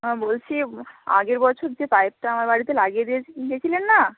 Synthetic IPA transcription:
bolt͡ɕʰia̰ɡeɾbɔt͡ɕʰoɾd͡ʑepajp̚ʈaamaɾbaɽit̪elaɡied̪iet͡ɕʰekinid͡ʑet͡ɕʰilenːa

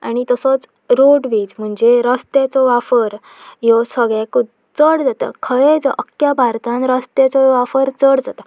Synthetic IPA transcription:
a̰ɽ̃ñit̪əsɔt͡s | ɾoɽʋid͡zm̤əɳd͡zeɾəst̪et͡sɔʋafəɾ | jɔsəɡɭɛku | t͡səɽd͡zat̪ə̰kʰəɭet͡sʔəkjabʱaɾt̪ãnɾəst̪et͡sɔʋafəɾt͡səɽd͡zat̪ə

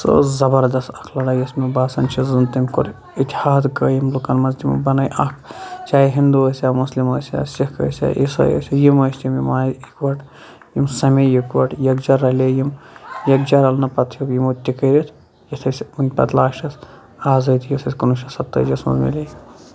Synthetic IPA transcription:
sə̰zɐbɐɾd̪ɐst̪ɐkʰlɐɽɐjɐsmibaːsɐnt͡ʃʰizɨnt̪imʲko̰ɾ | it̪ʲhaːd̪kəːjimlukɐnmɐnzd̪ʲim̰bɐnɐjʔɐkt͡ʃaːiɦind̪uɐsʲaːmusliməːsʲa̰ːsʲikɐ̰ːsʲa̰ːʔisɐ̰jɐ̰sʲijimɐːsʲt̪ʲimjimaːikʋɐʈ | jimsɐmejukʋɐʈjɐkd͡ʒɐɾɐlʲejimjɐk̚d͡ʒɐɾɐlnɐpɐt̪ʰjukjimot̪ʲikɐɾʲit̪ʰ | jit̪ʰɐsʲunʲpɐ̰t̪laːʃʈɐs | aːzɐt̪ʰjisʰɐsʲkunuʃɐsɐt̪ːɐ̰d͡ʒɐsmɐ̰zmḭlʲe

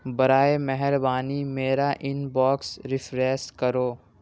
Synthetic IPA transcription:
bɐɾaːemɛɦɛɾbaːnimeːɾaʔɪnbɔːksɾɪfʰɾɛːskɐɾoː

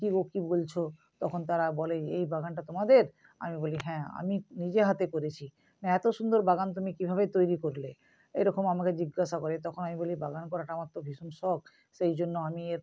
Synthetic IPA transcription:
kiokibolt͡ɕʰo | t̪ɔkʰont̪aɾabɔleḛjbaɡanʈat̪omad̪eɾ | a̰miboliɦɛ̃a̰minid͡ʑeɦat̪ekoɾet͡ɕʰi | naɛt̪oʃund̪oɾbaɡant̪̬umikibʱaβet̪ojɾikoɾle | ejɾɔkomamaked͡ʑiɡːaʃakoɾet̪ɔkʰonamibolibaɡankɔɾaʈamat̪ːobʱiʃonʃɔɡ̚ | ʃejd͡ʑonːoamieɾ

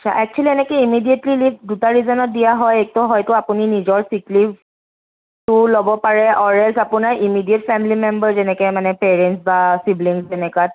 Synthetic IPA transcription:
sa̰ʔɛk̚t͡ʃualiɛnɛkɛimidijetlilivdutaɹizɔnɔt̚dijaɦɔjɛk̚tɔɦɔjtʊapuninizɔɹsiklif | tʊlobɔpaɹɛɔɹɛlsapunaɹimidietfɛmilimembəɹzɛnɛkɛmanɛpɛɹɛntsbasibliŋsɛnɛkat̚

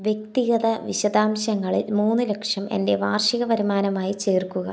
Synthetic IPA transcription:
ʋje̞k̚t̪iɣɐðɐʋiɕɐd̪aːmɕɐŋːɐɭilmuːnːɨle̞kʂɐme̞̰nde̞ʋaːrʂiɣɐʋɐɾimaːnɐmaːjit͡ɕe̞ːrkuɣɐ̰

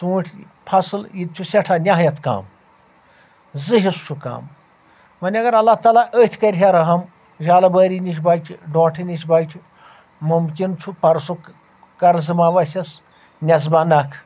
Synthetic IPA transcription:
suːʈʲʰpʰɐsɨljit̪̚t͡ʃʰusʲɐʈʰanʲaɦjɐt̪ka̰ːm | zɨɦist͡ʃʰuka̰ːm | mɐnʲɐɡɐɾɐlːaht̪aːlaʔəːt̪ʲʰkɐɾʲɦʲaɾɐɦɐm | ʒaːlɐbɐːɾʲiniʃʲbaːjt͡ʃʰiɖõːʈʰinʲiʃʲbaːt͡ʃʲʰi | mumkʲint͡ʃʰupɐɾsu | kɐɾzɨmaːʋɐsʲɐs | nʲɐz̬bɐnɐkʰ

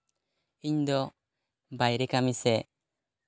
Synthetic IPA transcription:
iɲd̪ɔ | bajɾekamise

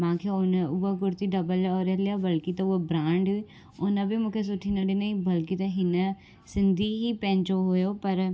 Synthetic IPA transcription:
mãːkʰeʊnʊaɡʊɾt̪iɖɐbəlaɔːɾɛɦlijabəlkit̪ɐʊabɾãːɳɖɦʊi | ʊnə̃bʱimʊ̃ːkʰes̬ʊʈʰinɐɖinɐĩbɐlkit̪ɐɦɪn | sɪ̃nd̪ʱiɦipɛ̃ːɲt͡ʃoɦoːjopɐɾ

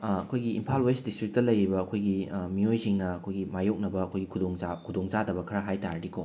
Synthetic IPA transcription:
ɐkʰojɡiːmpʰalwestdistɾik̚tɐlɐjɾibɐːkʰojɡimijojsiŋnɐɐkʰojɡimajok̚nɐbɐːkʰojɡikʰudoŋzakʰudoŋzadɐbɐkʰɐɾɐɦajtaɾɐdikʰo

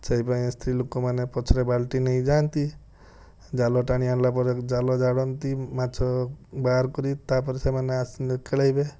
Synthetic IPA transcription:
t͡ʃəipaĩst̪ʰɾilokomanepɔt͡ʃʰɾebalʈinəĩd͡ʒant̪i | d͡ʒalɔʈaɽ̃ianlapɔɾed͡ʒalɔd͡ʒaɽɔnt̪imat͡ʃʰɔbaɾkɔɾit̪apɔɾsemaneasnkelajbe

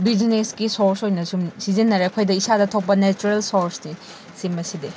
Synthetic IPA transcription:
bid͡ʒineskisoɾsojnɐsumsizinːɐɾeɐkʰojdɐisadɐtʰok̚pɐnet͡ʃuɾelsoɾsni | simbɐside

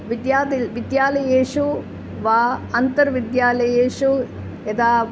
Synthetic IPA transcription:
ʋid̪jaːd̪ilʋid̪jaːlɐjeːʂu | ʋaːɐnt̪ɐɾʋid̪jaːlɐjeːʂu | ed̪aː

